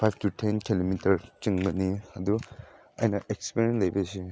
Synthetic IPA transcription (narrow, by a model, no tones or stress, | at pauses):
pʰajp̚ʰtutʰenkilomitʰɐɾt͡ʃiŋɡɐniɐdu | ɐjnɐʔek̚spiɾenlɐjbesi